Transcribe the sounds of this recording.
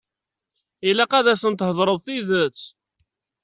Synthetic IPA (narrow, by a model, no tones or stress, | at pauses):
ilæqæðæsənt̪ɦəðˤɾˤəðˤθiðət͡sː